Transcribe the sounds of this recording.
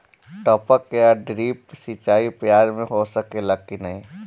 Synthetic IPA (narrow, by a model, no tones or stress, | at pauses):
ʈəpəkjaɖɾiːp̚sit͡ʃaːipjaːɾmẽɦosəkeləɡ̚kinəɦĩ